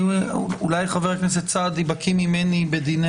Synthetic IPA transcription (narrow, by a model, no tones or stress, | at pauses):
ulajχaveʁknes̬et̪̚t͡sad̪ibakʰimimenibed̪in